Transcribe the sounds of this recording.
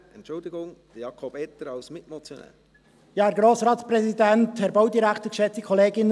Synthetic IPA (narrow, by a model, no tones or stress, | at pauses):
ɛntt͡ʃʊldɪɡʊŋd̥əjɑkʰɔbɛt̪əɾɑʊsmɪtmɔt͡sjɔnɛ̰ːl | jɑːæɾɡɾoːsɾɑːtsprɛsidɛnthɛɾboʊdiɾækʰtəkʃɛt͡sikʰɔleːɡɪnə